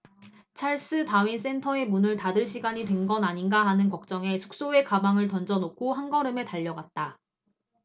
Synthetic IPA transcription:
t͡ɕʰaɭs͈ɯtawins̬͈e̞ntʰʌe̞munɯɭtadɯɭɕ̬͈ʰiɡaɲitwe̞nɡʌnaɲinɡaɦanɯnkʌk̚t͡ɕ͈ʌŋe̞sʰu̥k̚s͈oe̞kabaŋɯɭtʌnd͡ʑʌnokʰoɦanɡʌɾɯme̞taʎːʌɡat̚t͈a

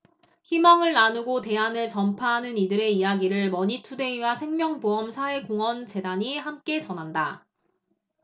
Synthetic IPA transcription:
çimaŋɯɭnanuɡote̞anɯɭt͡ɕʌmpʰaɦanɯnidɯɾe̞ijaɡiɾɯɭmʌɲitʰude̞iwasʰe̞ŋmjʌŋboʌmsʰae̞koŋʌnt͡ɕe̞daɲihamk͈e̞t͡ɕʌnɦanda

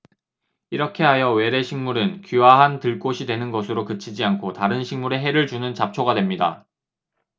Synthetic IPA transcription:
iɾʌkʰe̞ɦajʌwe̞ɾe̞ɕʰiŋmuɾɯnkiwaɦantɯɭk͈oɕʰidwe̞nɯnɡʌsʰɯɾokɯt͡ɕʰid͡ʑiankʰotaɾɯnɕʰiŋmuɾe̞ɦe̞ɾɯɭt͡ɕunɯnt͡ɕap̚t͡ɕʰoɡadwe̞mɲida̰

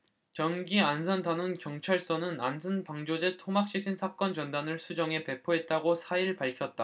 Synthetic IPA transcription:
kjʌnɡiansʰʌndanɯnkjʌŋt͡ɕʰaɭs͈ʌnɯnansʰʌnpaŋd͡ʑod͡ʑe̞tʰomak̚ɕ͈ʰik̚ɕ͈ʰinsʰak͈ʌnt͡ɕʌndanɯɭsʰud͡ʑʌŋe̞pe̞pʰoɦe̞t̚t͈aɡosʰaiɭpaɭkʰjʌt̚t͈a

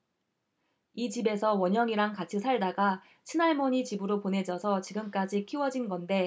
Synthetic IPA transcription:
it͡ɕibe̞sʰʌwʌɲjʌŋiɾaŋkat͡ɕʰisʰaɭdaɡa | t͡ɕʰinaɭmʌɲit͡ɕibɯɾopone̞d͡ʑʌsʰʌt͡ɕiɡɯmk͈ad͡ʑikʰiwʌd͡ʑinɡʌnde̞

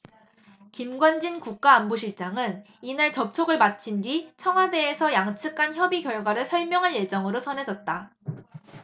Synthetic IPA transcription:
kimɡwand͡ʑinkuk̚k͈aːmboɕʰiɭt͡ɕ͈aŋɯn | inaɭt͡ɕʌp̚t͡ɕʰoɡɯɭmat͡ɕʰindwɥit͡ɕʰʌŋɦwade̞ːsʰʌjaŋt͡ɕʰɯk͈ʰːançjʌbiɡjʌɭɡwaɾɯɭsʰʌɭmjʌŋɦanje̞d͡ʑʌŋɯɾosʰʌne̞d͡ʑʌt̚t͈a

